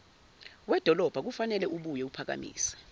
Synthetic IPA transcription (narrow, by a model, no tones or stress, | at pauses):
wɛd̥ʱɔlɔb̥ʱak̬ufanɛlɛʔuɓujɛupʰak̬a̰mḭːsḁ